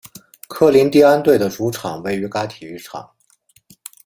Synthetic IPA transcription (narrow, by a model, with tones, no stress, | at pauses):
kʰɤ˥˩li˧˥nt̪i˥˧a˥nt̪we˥˩ɪd̪ə˩ʈ͡ʂu˧˥ʈ͡ʂʰɑ˨˩˦ŋwe˥˩ɪy˧˥ka˥t̪ʰi˨˩y˥˩ʈ͡ʂʰɑ̰˨˩˦ŋ